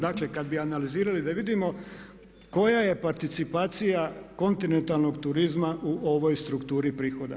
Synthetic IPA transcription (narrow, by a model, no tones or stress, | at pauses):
d̪aklekad̪̚bianaliziːɾalid̪aʋid̪imo̞ | ko̞jaje̞paɾt̪it̪sipaːt̪sijako̞nt̪ine̞nt̪alˠno̞ɡt̪uɾizmaʔuʔoʋo̞jst̪ɾukt̪uːɾipɾiːxo̞d̪a̰